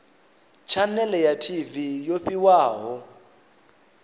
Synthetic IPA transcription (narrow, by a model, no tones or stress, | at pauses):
t͡ʃʰanɛlɛjatʰivijoɸʼiwaːɦɔ